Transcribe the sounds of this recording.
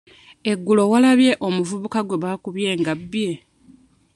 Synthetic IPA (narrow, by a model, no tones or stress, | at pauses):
e̞ɡːulo̞walaβje̞ʔo̞muvuβukaɡwe̞βaːkuβje̞ːŋɡabːje̞